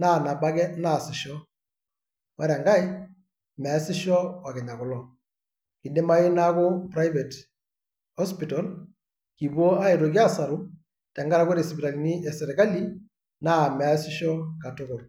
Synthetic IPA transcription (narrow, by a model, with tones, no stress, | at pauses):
na˦˨na˨ba˦ɡɛ˦na˦˨sɪ˨ʃɔ˦ | wa˦ɾɛ˨ŋɡa˦i˦ | mɛ˨a˦sɪ˦ʃɔ˦wa˨kɛ˨ɲa˨kʊ˨lɔ˦ | ki˨de˦ma˦ɪ˦na˦kɔ˦pɾa˦jvɛ˨t | hɔ˦spi˨tɔ˨l | ki˨bwɔ˦a˦e˨to˨ɡi˦a˦sa˨ɾu˦ | tɛ˨ŋɡa˦ɾa˨ko˦ɾe˨si˨bi˨ɾa˨li˨ni˦ʔɛ˨sɛ˨ɾɛ˨ka˦li˦ | na˦mɛ˨a˦sɪ˦ʃɔ˦ka˨tʊ˦ɡʊ˨ɾ